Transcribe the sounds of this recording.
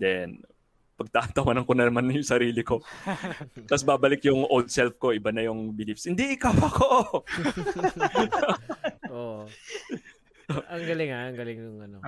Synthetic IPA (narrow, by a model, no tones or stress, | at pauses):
d̪ɛn | pɐɡ̚t̪aʔɐnt̪ɐwɐnɐŋkonɐnɐmanjʊŋsɐɾiːlɪko̞ | t̪ɐsbaːbɐlɪkjʊŋʔold̪̚sɛlfko̞ʔɪbanɐjʊŋbɪlifshɪnd̪ɛʔɪkawɐkoʔ | ʔoʔ | ɐŋɡɐlɪŋaɐŋɡɐlɪŋjʊŋɐno